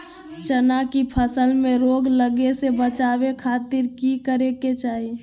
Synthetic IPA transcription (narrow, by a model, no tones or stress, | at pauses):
t͡ʃənakipʰəsəlmẽɾoɡləɡesebət͡ʃabekʰaːt̪ɪɾkikəɾeket͡ʃaːɦi